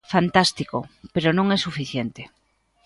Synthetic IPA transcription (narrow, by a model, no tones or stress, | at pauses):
fant̪ast̪ikopeɾonõŋɛsufiθjent̪e